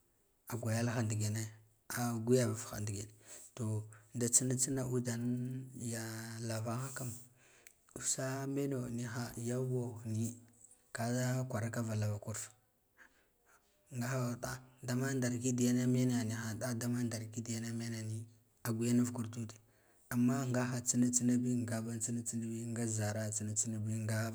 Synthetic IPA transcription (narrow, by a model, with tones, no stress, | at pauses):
a˨ɡʷa˨ja˦lxa˨ndi˨ɡe˨ne˦ | a˨ɡʷu˦ja˦va˨fxa̰˨ndi˨ɡe˨n˨to˨da˨t͡si˦na˦t͡si˦na˨ʔu˦da˨n˦ja˨la˨va˦xa˦ka˦m | u˨sa˦me˦no˨ni˦xa˨ja˦wo˦˨ni˦ | ka˦a˦kʷa˨ɾa˦ka˦va˨la˨va˨ku˦ɾf | ŋɡa˦xa˦˨da˦da˦ma˦nda˨ɾki˦di˨ja˦na˦me˦na˨ni˨xa˨da˦da˦ma˦nda˨ɾki˦di˨ja˦na˦me˦na˨ni˦ | a˨ɡʷu˨ja˦na˦vku˨ɾtu˦ti̥˨ | a˨mːa˦ŋɡa˦xa˨t͡si˦na˦t͡si˦na˦bi˦ŋɡa˦ba˦nt͡si˦na˦t͡si˦na˦bi˦ŋɡa˦za˨ɾa˦t͡si˦na˦t͡si˦na˦bi˦ŋɡa˦